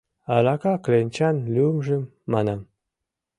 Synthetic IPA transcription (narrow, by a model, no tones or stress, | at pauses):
ɑlɑkɑklʲenʲt͡ɕɑnlʲumʒĕmːɑnɑm